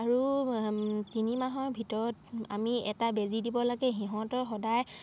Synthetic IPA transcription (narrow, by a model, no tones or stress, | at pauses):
aɹu | tinimaɦɔɹbʱitɔɹɔta̰miɛ̰tabezidibɔlaɡɛɦiɦɔ̃tɔɹxɔdaj